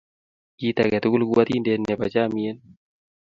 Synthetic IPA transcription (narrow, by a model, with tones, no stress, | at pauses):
ɡit̪akɛ˨t̪u˦ku˦lkua˦t̪i˦ndɛ˦nːɛ˨pat͡ʃami˦e˦n